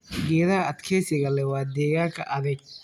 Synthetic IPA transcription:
ɡɛːðɐhɐɐd̪kʰɛːsɪɣɐlɛwaːd̪ɛːɣaːŋkʰɐ̰ʔɐðɐɡ̚

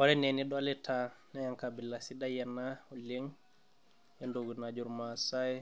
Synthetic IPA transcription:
ɔɾɛneniɗɔlɛtʰanajaŋkabilːasidajɛnːaɔliŋ | jɛndoɡunad͡ʒuɾmasaj

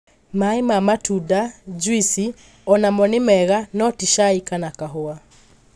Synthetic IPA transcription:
maemamatudad͡ʒwisi | ɔnamɔnɪmɛɣanɔtiʃaikanakaɦoa

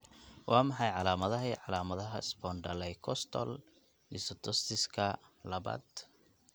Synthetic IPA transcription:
wʔɑːmɑħɑjʕɑlaːmɐðɐɦiʕɑlaːmɐðɐɦɐɪsbɔːnɖɐlɛjkʰɔst̪ʰɔ̰l | nɪsɔt̪ʰɔst̪ɪskʰɐlɐβa̰ːd̪

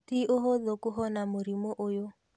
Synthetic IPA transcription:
tiʔoɦoðokoɦɔnamoɾimoʔojo

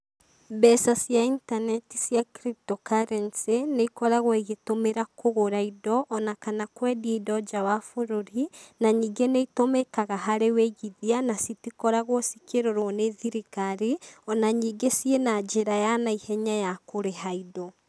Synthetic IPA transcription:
bɛsasjaintanɛtisjakɾip̚tɔkaɾɛnseneikɔɾaɣwiɣetomeɾakʰoɣoɾaidɔʔːnakanakwɛːdieidɔd͡ʒawafoɾoɾinaɲiːɡeneitomekaɣaɦaɾeweɣiðianasitikɔɾaɣosikeɾoɾoneðiɾikaɾeɔnaɲiːɡesjienad͡ʒeɾajanaihɛɲajakoɾeɦaidɔ

